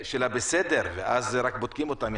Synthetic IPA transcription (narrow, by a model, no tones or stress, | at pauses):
ʃelabesed̪eɾveʔazʁak̚bod̪̚kimot̪amj